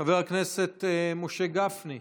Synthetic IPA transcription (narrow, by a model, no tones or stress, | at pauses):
aveʁhakneset̪emoʃe̞ɡafni